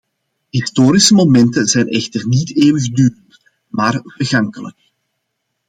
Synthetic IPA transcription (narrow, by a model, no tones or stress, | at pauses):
ɦistoːɾisəmomɛntənzɛjnɛxtərniteːwəɣdyːrənt | maːrv̥ərɣɑŋkələ̰k̚